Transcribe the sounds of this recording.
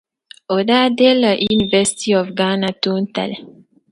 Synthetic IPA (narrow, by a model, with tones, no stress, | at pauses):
o˨da˦de˦la˨ʔinivɛ˦si̥t̪iɔ˨fɡa˦na˨t̪uːnt̪a̰˨lɛ